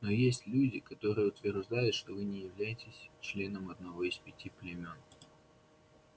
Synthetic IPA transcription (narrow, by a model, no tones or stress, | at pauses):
nojesʲtʲlʲudʲɪkɐt̪o̞ɾɨjəʊt̪vʲɪrʐd̪ajʊt̪ʂt̪ovɨnʲɪjɪvlʲæjɪtʲɪsʲt͡ɕlʲe̞nəmɐd̪̚nɐvo̞ispʲɪtʲiplʲɪmʲo̞n